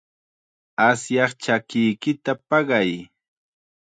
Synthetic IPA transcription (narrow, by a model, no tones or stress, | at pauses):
asjɑχt͡ʃakɪjkɪt̪apɑɢɑj